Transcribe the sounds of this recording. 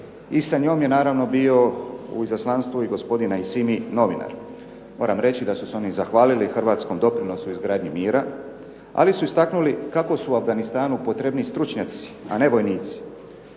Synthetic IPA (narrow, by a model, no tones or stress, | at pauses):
isaɲo̞ːmje̞naːɾaʋno̞bio̞ṵizaslˠaːnst̪ʋuiɡo̞spo̞d̪inaisimino̞ʋina̰ɾ | mo̞ːɾamɾe̞t͡ɕid̪asuseo̞nizaxʋaːlilixrʋaːt̪sko̞md̪o̞pɾino̞suizɡɾaːd̪ɲimiːɾa | a̰lisuist̪aknulikako̞suuavɡanist̪aːnupo̞t̪ɾebnist̪ɾut͡ʃɲat̪si̥a̰ne̞ʋo̞jniːt̪si̥